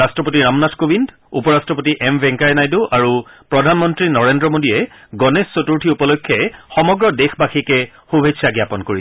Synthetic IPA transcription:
astɹɔpotiɹamnatʰkobʱind | upɔɹastɹɔpotiʔɛmbʱɛ̃ŋkaɹnajduʔaɹupɹɔdʱanmɔntɹinɔɹendɹɔmodijɛ | ɡɔnesːotuɹʈʰiupɔlɔjkʰːɔɛxɔmɔɡɹɔdexbaxikɛ | xubʱesaɡjapɔnkoɹiɛ

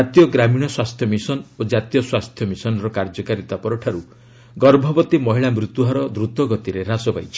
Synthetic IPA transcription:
at̪ijɔɡɾamiɽ̃ɔswast̪ʰjɔmisɔnod͡ʒat̪ijɔswast̪ʰjɔmisɔnɔɾɔkaɾd͡ʒɔkaɾit̪apɔɾɔʈʰaɾu | ɡɔɾbʱɔbɔt̪imɔɦiɭamɾut̪uɦaɾɔd̪ɾut̪ɔɡɔt̪iɾeɾasɔba̰jt͡ʃʰi̥

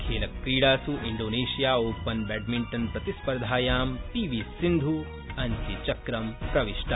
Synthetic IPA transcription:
kʰeːlɐkːɾiːɽaːsuʔiɳɖoːneːʃijaːoːpːɐnbɛːɖmiɳʈɐnpɾɐt̪ispɐɾd̪ʱaːjaːmpiʋisind̪ʱu | ɐnt͡ʃit͡ʃɐkɾɐmpɾɐʋiʃʈʰɐ

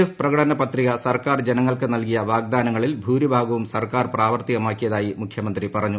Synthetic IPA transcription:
ifprɐɣɐʈɐnɐpɐt̪riɣɐsɐrkaːrd͡ʑenɐŋːɐɭkɨnɐlkijɐʋaːɡd̪aːnɐŋːɐɭilbʱuːɾibʱaːɡɐʋumsɐrkaːrpraːʋɐrt̪iɣɐmaːkːijɐðaːjimukʰjɐmɐnd̪ripɐrɐɲːu

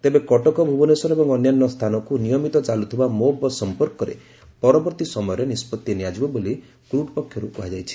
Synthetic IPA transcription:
t̪ebekɔʈɔkɔbʱubɔnesɔɾebɔŋɔnjanːɔst̪ʰanɔkunijɔmit̪ɔt͡ʃalut̪ʰibamobɔsɔmpɔɾkɔɾḛ | pɔɾɔbɔɾt̪isɔmɔjɔɾenispɔt̪ːjiniad͡ʒibɔboli | kɾuʈpɔkʰːjɔɾukuɦad͡ʒajt͡ʃʰi̥

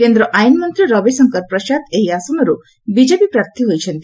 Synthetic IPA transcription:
kend̪ɾɔʔajnmɔnt̪ɾiɾɔbesɔŋkɔɾpɾɔʃad̪eɦiasɔmɔɾu | bid͡ʒepipɾaɾt̪iɦojt͡ʃʰɔnt̪i

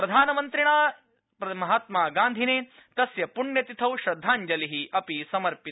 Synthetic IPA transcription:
pɾɐd̪ʱaːnɐmɐnt̪ɾiɳaː | pɐmɐɦaːt̪maːɡaːnd̪ʱineː | t̪ɐsjɐpuɳjɐt̪it̪ʰɐwʃɾɐd̪ʱːaːɲd͡ʒɐliɦiʔɐpisɐmɐɾpit̪

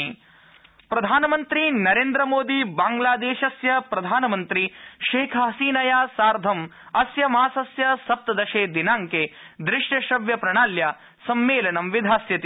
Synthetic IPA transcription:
pɾɐd̪ʱaːnɐmɐnt̪ɾinɐɾeːnd̪ɾɐmoːd̪ibaːŋɡlaːd̪eːʃɐsjɐpɾɐd̪ʱaːnɐmɐnt̪ɾiʃeːkʰɐɦɐsiːnɐjaːsaːɾd̪ʱɐm | ɐsjɐmaːsɐsjɐsɐp̚t̪ɐd̪ɐʃeːd̪inaːŋkeː | d̪ɾɪʂʈɐʃɾɐʋjɐpɾɐɳaːlja | sɐmːeːlɐnɐmʋid̪ʱaːsjɐt̪i

